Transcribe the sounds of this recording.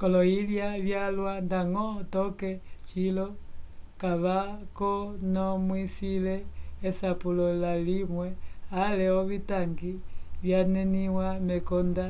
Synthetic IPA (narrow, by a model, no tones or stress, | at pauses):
kɔlɔiljaβjalwandaŋɔtɔkɛt͡ʃilɔkaβakɔnɔmwisilɛːsapulɔlalimwɛalɛɔβitaŋɡiβjanɛniwamɛkɔnda